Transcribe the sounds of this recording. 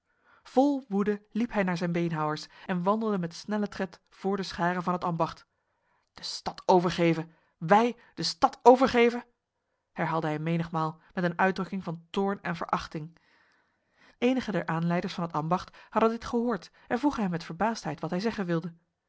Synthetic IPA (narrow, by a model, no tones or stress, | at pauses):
v̥ɔlˠʋudəlipɦɛjnaːɹzɛjnbejnɦɑwəɹsɛnʋɑndlˠdəmɛtsnɛlətrɛt | v̥ʊːɹdəsχaːʁəvɑnɦətɑmbɑχt | d̥əstɑtʰowvəɹχeːvə | ʋɛj | d̥əstɑtʰowvəɹχejvə | hɛɹɦaːlˠdəɦɛjmejnəχmaːlˠmɛtənœɥdrɵkɪŋvɑntʊːɹnɛnvə̰ɹʔɑχtɪŋ | ejnəχədɛɹʔaːnlɛjdəɹsfɑnɦətɑmbɑχthɑdəndɪtχəɦʊːɹt | ɛnvuχəɦɛmɛtfəɹbaːstɦɛjtʋɑtɦɛjzɛχənʋɪlˠdə